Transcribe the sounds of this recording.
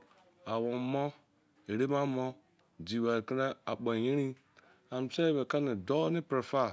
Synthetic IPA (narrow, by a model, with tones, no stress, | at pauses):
a˨wo˨mɔ˦ | e˨ɾe˦ma˦mo˦ | d͡ʒi˨wa˨ki˦na˦a̰˨ɓo˨je˦ɾi˦ | a˨m˨se˦βe˨ka˦ni˨do˦ni˦pɾe˨fa˦˨